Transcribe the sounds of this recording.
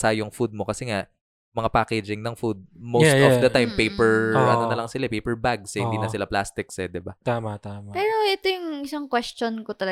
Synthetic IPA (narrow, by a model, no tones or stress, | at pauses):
sajʊŋfud̪̚mo̞kɐsɛŋaʔ | mɐŋapaːkɛd͡ʒɪŋnɐŋfud̪̚mosɛstɔfd̪ɐt̪ajmpejpɛɹʔaːnonɐlɐŋsɪlapejpɛɹbaɡ̚shɪnd̪inɐsɪlaplast̪ɪksɛd̪ɪbat̪aːmat̪amapɛːɾoʔɛt̪ojʊŋʔɪsaŋkwɛst͡ʃonkot̪ɐlɐ